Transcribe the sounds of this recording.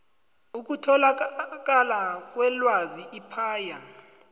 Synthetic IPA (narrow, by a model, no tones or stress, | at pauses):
uk̬utʰɔlak̬ʼalak̬ʼwɛlwaziʔipʰaːja